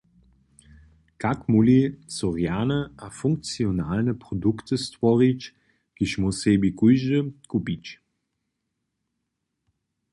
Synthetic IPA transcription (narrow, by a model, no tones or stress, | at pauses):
kakmulit͡sɔʁjaːnəafʊŋk̚t͡sionalnəpʁɔdukt̪əstvɔʁit͡ʃ | ɡ̥iʃmuseːbikujʒəkupit͡ʃ